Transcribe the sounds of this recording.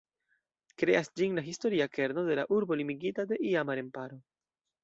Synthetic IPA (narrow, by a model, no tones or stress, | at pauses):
kɾe̞asd͡ʒiŋlaɦisto̞ɾiake̞ɾnode̞laʔuɾbo̞limiɡit̪ad̪e̞ʔiamaɾe̞mpaɾo